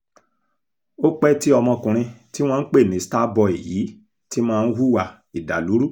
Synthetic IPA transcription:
o˦k͡pɛ˦ti˦ɔ˧mɔ̃˧kũ˨˧ɾ̃ĩ˧ti˦w̃ɔ̃˦˧n̩˦k͡pe˦˨mĩ˨˦sta˦bɔ˧e˨ji˨˦ | ti˦mãː˦˧n̩˦hu˦wa˧˨ | i˨da˨lu˨˦ɾu˦˨

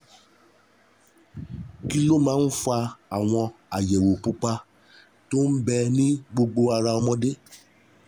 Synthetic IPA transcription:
ki˦lo˦mãː˦n̩˦fa˧a˨w̃ɔ̃˧a˨jɛ˨wo˨k͡pu˧k͡pa˧ | to˦n̩˦bɛ˧nĩ˦ɡ͡bo˧ɡ͡bo˧a˧ɾa˧ɔ˧mɔ̃˧de˦

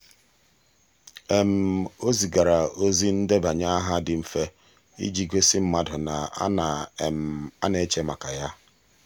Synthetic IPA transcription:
e˨m̩˨o˦zi˨ɡa˨ɾa˨o˦zi˦n̩˦de˦ba˨ɲa˦a˦ɦa˦dɪ˨m̩˨fe˦ | ḭ˦d͡ʒi˦ɡʷe˦sɪ˦m̩˦ma˨dʊ˨na˨a̰˦na˨m̩˨a̰˦ne˨˦t͡ʃe˦ma˨ka˨ja˦

